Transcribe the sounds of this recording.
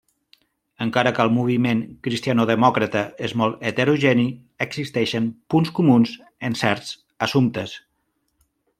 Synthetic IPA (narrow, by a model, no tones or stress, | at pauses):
əŋkaɾəkəlˠmuβ̞imeŋkɾist̪ianoðəmɔkɾət̪əezmɔlˠt̪ət̪əɾuʒɛni | əɡzist̪ɛʃənpunskumunz | ənsɛɾz̥ | əsumt̪əs